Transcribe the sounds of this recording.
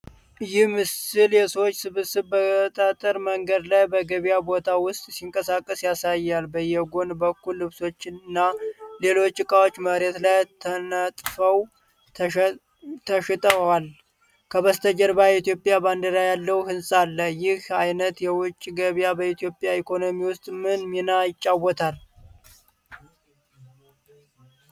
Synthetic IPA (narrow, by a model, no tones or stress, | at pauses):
ɨjɪhmɨsɨljɛsəwot͡ʃːsɨβɨsɨβbət̪ʼat̪ʼəɾməŋɡəd̪lajbəɡəβijabo̞t̪ʰawʊst̪ʼsiŋkʼəsakʼːəsjasajːalbəjːɛɡo̞nbəkːulːɨβso̞t͡ʃːɪnnːale̞lo̞t͡ʃːɨkʼawo̞t͡ʃːməɾet̪lajt̪ʰənət̪ʼfəw | t̪ʰəʃit̪ʼəal | kʰəβəst̪ʰəd͡ʒəɾbait̪ijo̞pʼjaband̪əɾajalːəwhɨnsʼalːəjɪhajnət̪jɛwʊt͡ʃʼːiɡəβjabəit̪ʰjo̞pʼjaikʰo̞no̞miwʊst̪ʼmɨnminajɪt͡ʃʼːawːɔt̪ʰal